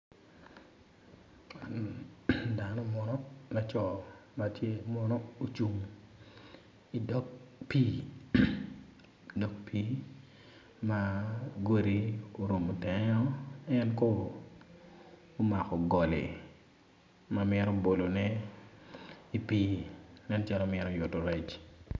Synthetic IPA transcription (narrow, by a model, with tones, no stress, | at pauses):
a˨n | da˨nɔ˦mɔ˨nɔ˦la˨t͡ʃɔ˨ma˨tʰje˦mɔ˦no˦o˦t͡ʃu˨ŋ | i˨dɔ˦k̚piː˦ | dɔ˦k̚pʰi˦ | ma˦ɡo˦ɾi˦o˦ɾo˨mo˨tɛ˨ɲɔ˦ɛ˦nkɔ˦ | ma˨kɔ˨ɡɔ˨lḛ˨ | mamɛ˦ɾɔ˦bo˨lo˨nɛ˦ | i˨piː˦nɛ˦nt͡ʃa˦lɔ˦mɛ˦ɾɔ˦jʊ˨to˨ɾɛ˨t͡ʃ